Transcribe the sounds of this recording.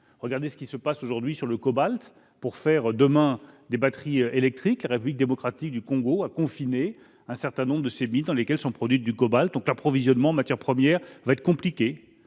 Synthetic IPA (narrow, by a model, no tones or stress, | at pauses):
ʁəɡaʁd̪esə̥kʲisəpasoʒuʁd̪ɥisyʁləkɔbalt̪ | puʁfɛʁd̪əmɛ̃d̪ebat̪χiøelɛk̚t̪χiklaʁepyblik̚d̪emɔkχat̪ik̚d̪ykɔ̃ɡoakɔ̃fine | ɛ̃sɛʁt̪ɛ̃nɔ̃bʁəd̪əsemid̪ɑ̃lekʲɛlsɔ̃pχɔd̪ɥit̪̚d̪ykɔbalt̪̚d̪ɔ̃klapχɔvizjɔnmɑ̃ɑ̃mat̪ʲjɛʁpχəmjɛːʁvaɛt̪χəkɔ̃plikʲe